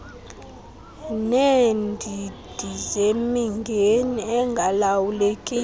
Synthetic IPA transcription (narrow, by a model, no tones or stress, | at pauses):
nendʱid̥ʱizemiŋɡʱeniɛŋɡʱalawulekʼiː